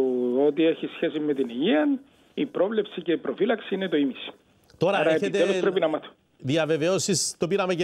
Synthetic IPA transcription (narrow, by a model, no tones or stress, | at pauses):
ot̪ieçisçesimet̪iniʝiɐn | ipɾovlepsice̞ipɾofilɐksiinet̪oimisi̥ | t̪o̞ɾɐɾɐeeet̪eepɾeinɐmɐθo̥ | ðiɐve̞veosist̪opiɾɐmec